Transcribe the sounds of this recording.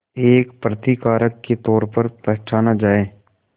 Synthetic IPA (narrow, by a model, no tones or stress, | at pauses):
eːkpɾət̪ikaːɾəkːet̪ɔːɾpəɾpɛɦːt͡ʃʰaːnad͡ʒaːẽː